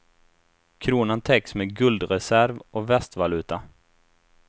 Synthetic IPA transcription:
kʰɾuːnənt̪ʰɛksmeːɡɵld̪ɾɛsæɾvɔvɛst̪valʉ̟ːt̪a

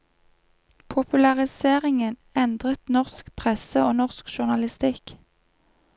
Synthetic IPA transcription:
pʰʊpʉlɑʁɪseːʁɪŋənɛnd̪ʁət̪nɔʁskpʰʁɛsəoːnɔʁskʃʊʁnɑlɪst̪ɪk

